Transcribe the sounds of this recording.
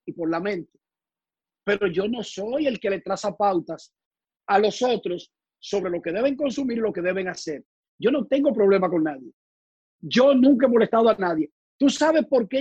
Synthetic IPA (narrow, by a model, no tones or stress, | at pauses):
ipo̞ɾlamẽ̞nt̪e̥ | pe̞ɾo̞ʝo̞no̞so̞je̞lke̞le̞t̪ɾasapawt̪as | alo̞so̞t̪ɾo̞sː | o̞βɾe̞lo̞keð̞e̞βe̞ŋko̞nsumiɾilo̞ke̞ðe̞βe̞ŋase̞ɾ | ɟ͡ʝo̞no̞t̪e̞ŋɡo̞pɾo̞β̞le̞mako̞ŋnaðje̞ | ʝo̞nũŋkaemo̞le̞st̪aðoanaðje̞ | t̪usaβ̞e̞spo̞ɾke